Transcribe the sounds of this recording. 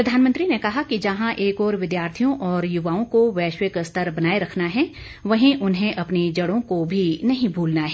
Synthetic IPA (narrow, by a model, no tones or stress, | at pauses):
pɾɐd̪ʱaːnmə̃nt̪ɾinekɐɦakid͡ʒɐɦãʔeːkɔːɾʋɪd̪jaːɾt̪ʰijõʔɔːɾjʊʋaːõkoʋɛːʃwɪkst̪əɾbɐnaːeɾɐkʰnaɦɛː | ʋɐɦĩʔʊnɦẽʔɐpnid͡ʒɐɽõkobʱinɐɦĩbʱuːlnaɦɛː